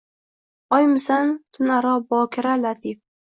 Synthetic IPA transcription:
ɒjmɪsant̪ʰʊnaɾɒbɒːkʰʲɪɾalat̪ʰɪf

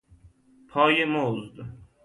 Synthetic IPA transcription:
pʰɒːjemoːzd̪

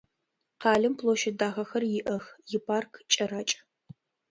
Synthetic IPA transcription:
qɑːɮɨmpʰloːʃɐdaːʁɐxɐrjɪʔɐxjɪpʰaːrkʰt͡ʃʼɐɾaːt͡ʃʼ

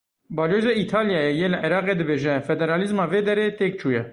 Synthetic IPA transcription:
bɑːlozeit̪ʰɑːljɑːjɛjeləʔɛɾɑːqeːd̪ɨbeːʒɛfɛd̪ɛɾɑːlizmɑːveːd̪ɛɾeːt̪ek̚t͡ʃʰuːjɛ

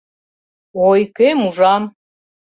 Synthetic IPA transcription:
ojkemuʐam

